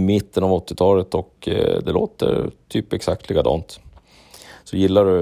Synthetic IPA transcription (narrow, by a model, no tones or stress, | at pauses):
mɪt̪ːənavɔt̪ːɪt̪ʰɑːlət̪ɔkd̪ɛlo̰ːt̪ə̰ɾt̪ʰyːpɛksak̚t̪ʰlɪɡad̪ɑ̰ːnt̪ | sɔjɪlːaɾɵ